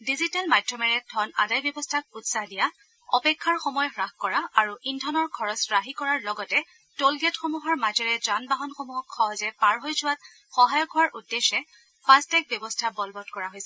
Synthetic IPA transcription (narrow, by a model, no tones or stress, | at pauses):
dizitalmadʱɹɔmɛɹɛdʱɔna̰dajbjɔbɔstʰak̚utsahdija | ɔpɛkʰːaɹxɔmɔjɔxɹaxkɔɹaːɹuʔindʱɔnɔɹkʰɔɹɔsɹaɦikɔɹaɹlɔɡɔtɛ | tolɡɛtxɔmuɦɔɹmazɔɹɛzanbaɦɔnxomuɦɔkʰːɔɦɔzɛpaɹɦojzʊwat | xɔɦajɔɡʰʱɔwaɹʔudːeʃɛ | pʰastɛk̚bjɔbɔstʰabɔlbɔtkɔɹaɦojsɛ